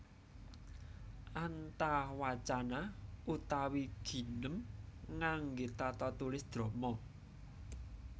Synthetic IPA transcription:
ʔant̪ahwat͡ʃanaʔut̪awiɡ̥i̤nəmŋaŋɡet̪at̪ɔt̪ulɪsd̪̥ɾo̤mɔ

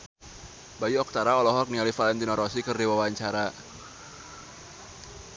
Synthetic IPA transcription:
bajiɔk̚t̪aɾaɔlɔɦɔk̚nialifalɛnt̪inɔɾɔsikɨrdiwawaɲt͡ʃaɾa

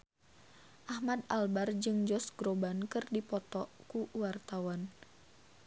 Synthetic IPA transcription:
ʔahmad̪albard͡ʒɨŋd͡ʒɔsɡɾobankɨrdipɔt̪ɔkuuwart̪awan

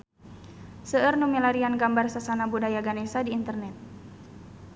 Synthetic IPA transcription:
səərnumilaɾianɡambarsasanabudajaɡanɛsadiːnt̪ərnɛt̪̚

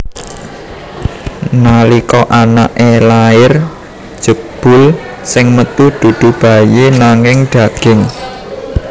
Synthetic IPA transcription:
nalikɔʔana̰ʔelaɪr | d̥ʒ̥ə̤b̥ʊ̤l | sɪŋmət̪ud̪̥ṳɖ̪̥ṳb̥a̤jenaŋɪŋɖ̥ä̤ɡ̥ɪŋ

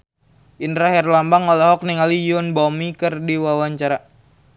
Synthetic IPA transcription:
ʔindɾaɦɛrlambaŋɔlaɦɔk̚niŋalijʊnbɔmikərdiwawaɲt͡ʃaɾa

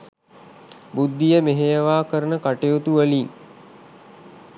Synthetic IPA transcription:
bud̪ːijəmeɦejəʋaːkəɾənəkaʈeot̪uʋəliːŋ

